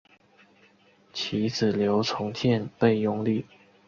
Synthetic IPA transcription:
t͡ɕʰi˧˥t͡sɹ̩˨˩ljo˧˥ʊt͡sʰʊ˧˥ŋt̪ʰjɛ˥˧npe˥˧˩ɪjʊ˥˧ŋly˥˩

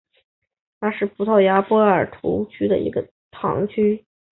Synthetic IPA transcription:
t̪ʰa˥ʂɻ̩˥˩pʰu˧˥t̪ʰɑ˥˩ʊja˥pwɔ˥ə˞˨˩t̪ʰṵ˧˥t͡ɕʰy˥d̪ə̰˨ḭ˧˥ɡə˧ | t̪ʰɑ̰˧˥ŋt͡ɕʰy˥

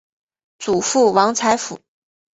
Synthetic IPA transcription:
t͡su˨˩fu˥˩wɑ˧˥ŋt͡sʰa˧˥ɪfu˨˩˦

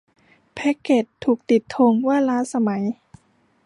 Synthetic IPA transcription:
pʰɛ˦˥kːe˨˩t̪ʰːuː˨˩k̚t̪i˨˩t̪ʰːo˧ŋwaː˥˩˨laː˦˥sa˧ma˩˦j

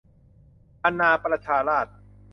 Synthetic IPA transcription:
ʔa˧naː˧pɾa˧t͡ɕʰaː˧ɾaː˥˩t̪̚

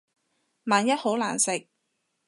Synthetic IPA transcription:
maː˨˧njɐ˥t̚ho˨˥wla̰ː˨˩nsɪ˨k̚

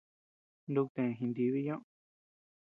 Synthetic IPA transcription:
nd̪u˧k̚t̪ẽ˨ɦĩ˧nd̪i˧βi˦jõ˦ʔ

